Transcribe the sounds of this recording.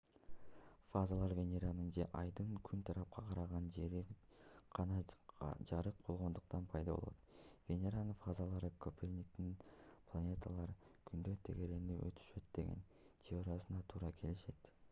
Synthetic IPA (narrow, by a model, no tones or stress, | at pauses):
fazalˠɑɾvʲe̞nʲeɾanɯnd͡ʒe̞̰ʔɑjd̪ɯŋkʰynt̪ʰɑɾɑp̚qʰɑqʰɑɾɑʁɑnd͡ʒe̞ɾiqʰɑnɑd͡ʒɑɾɯq̚b̥o̞lˠʁo̞nd̪uq̚t̪ɑnpʰɑjd̪ɑbo̰lˠot̪vʲe̞nʲeɾanːɯnfazalˠɑɾɯkʰopʲʰernʲik̚t̪inpʰlˠanʲe̞t̪ʰalˠɑɾkʰynd̪øt̪ʰe̞ɡe̞ɾe̞nyːʔø̰t̪ʰy̥ʃø̞t̪̚d̪e̞ɡʲe̞̰n | t̪ʲʰeoɾasɯnɑt̪ʰuːɾɑkʰe̞liʃe̞t̪